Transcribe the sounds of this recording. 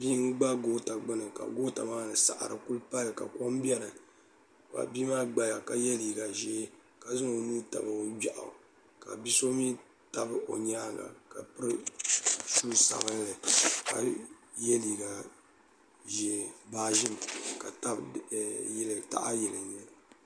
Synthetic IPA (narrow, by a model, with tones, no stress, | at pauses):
bi˦ŋ̩˦ɡ͡ba˦ɡo˦ta˨ɡ͡bɨ˦nɨ˨ka̰˨ɡo˦ta̰˨maː˦nɨ˨sa˨ʔa̰˨ɾɨ̰˨ku˦lpa˦lka̰˨kɔ˦mbɛ˦ɾɨ˨ | wa̰˨biː˦maː˦ɡ͡ba˨ja˨ka˨jɛ˦li˨ɡa˨ʒeː˦ | ka˨zɨ˦ŋo˨nuː˦ta̰˨bɨ˨˦d͡ʒa˨ʔa̰˨ | ka̰˨bi˦so˦mi˦ | ta˨bɨ˦o̰˨ɲaː˦ɡa̰˨ka˨pɨ˦ɾɨ˦ | ʃu˦lsa̰˨bɨ˦n˦lɨ˨ka̰˨ | jɛ˦li˨ɡa˨ | ʒe˦baː˦ʒɪ˦mka˨ta˦b | jlta̰˦ʔa˦jɛ˨lɨ˨ɲɛ˨l